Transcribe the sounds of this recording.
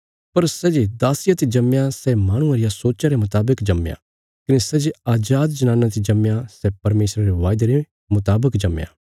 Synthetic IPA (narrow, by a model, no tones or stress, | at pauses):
pɐɾsɛːd͡ʒed̪aːsɪjat̪ʰid͡ʒɐmjasɛmaːɽ̃ũaɾɪjasoːt͡ʃaɾemʊt̪aːbəkd͡ʒɐmja̰ | kɪnesɛːd͡ʒeaːd͡ʒaːd̪d͡ʒɐnãːnat̪ʰid͡ʒɐmjasɛpɐɾmeːsɾaɾeʋaːjd̪eɾe | mʊt̪aːbəkd͡ʒɐmja̰ː